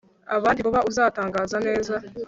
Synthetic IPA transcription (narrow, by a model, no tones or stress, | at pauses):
aβaːndiβuβaʔuzaːtaːŋɡaːzane̞ːza